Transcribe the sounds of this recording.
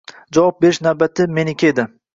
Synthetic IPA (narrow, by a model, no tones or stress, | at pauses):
d͡ʒavɒp̚be̞ɾɪʃnawbat̪ʰɪme̞nɪkʲʰaed̪ɪ